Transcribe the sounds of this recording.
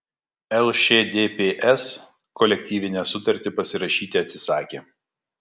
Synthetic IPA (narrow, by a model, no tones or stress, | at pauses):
ɛlˠʃʲeːd̪ʲeːpʲeːʔɛs | kɔlʲɛk̚ʲt̪ʲiːʋʲɪnʲæːsʊt̪ɐɾʲt̪ʲɪpɐsʲɪɾɐʃʲiːt̪ʲeɐt̪ʲsʲɪsɑːkʲeː